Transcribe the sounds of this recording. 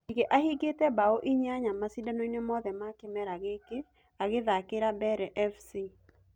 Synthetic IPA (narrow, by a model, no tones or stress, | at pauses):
ikeʔahiɡetɛbaoʔiɲaɲamasidanoinemɔðɛmakɪmɛɾaɣeke | aɣɪðakɪɾabɛɾɛʔɛfsi